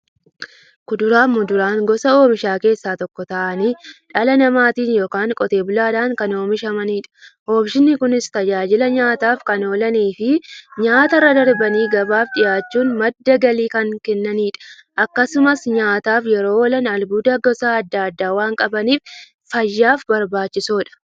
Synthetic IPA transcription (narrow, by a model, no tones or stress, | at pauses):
kʊd̪ʊɾaːmːʊd̪ʊɾaːŋɡɔsɐo̞ːbɪʃaːke̞ːsːaːt̪ɔkːɔt̪ɐʔɐniᶑɐlɐnɐmaːt̪iːnjo̞ːkaːŋkʼɔt̪e̞ːbʊlaːd̪aːŋkɐno̞ːmɪʃɐmɐniːᶑɐ̥ho̞ːbʃɪnːɪkʊnɪst̪ɐd͡ʒaːd͡ʒɪlɐɲaːt̪aːfkɐnoːlɐniːfɪɲaːt̪ɐrːɐd̪ɐɾbɐniːɡɐbaːfᶑɪjaːt͡ʃːuːnmɐd̪ːɐɡɐliːkɐŋkɛnːɐniːᶑɐ̥ | ʔɐkːɐsʊmɐsɲaːt̪aːfjɛɾo̞ːwɔlɐnɐlbuːd̪ɐɡɔsaːɐd̪ːɐɐd̪ːaːwaːŋkʼɐbɐniːf | fɐjːaːfbɐɾbaːt͡ʃːɪsoːᶑɐ̥